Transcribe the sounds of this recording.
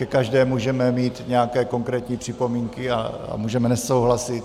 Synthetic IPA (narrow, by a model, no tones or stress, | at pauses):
kɛkaʒdɛːmːuːʒɛmɛmiːt̪ɲɛjakɛːko̞ŋkɾɛːt̪ɲiːpr̥ɪpo̞miːŋkɪa̰a̰muːʒɛmɛnɛso̞wɦlasɪt̪